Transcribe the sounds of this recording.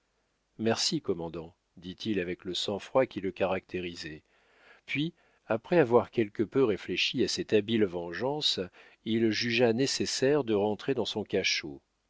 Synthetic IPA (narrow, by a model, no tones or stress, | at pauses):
mɛʁsikɔmɑ̃d̪ɑ̃ | d̪it̪ʰilavɛkləsɑ̃fχwakʲiləkaʁak̚t̪ʰeʁizɛ | pɥi | apχɛavwaʁkʲɛlkəpøʁefleʃiasɛt̪abilvɑ̃ʒɑ̃s | ilʒyʒanesesɛʁd̪əʁɑ̃t̪χed̪ɑ̃sɔ̃kaʃo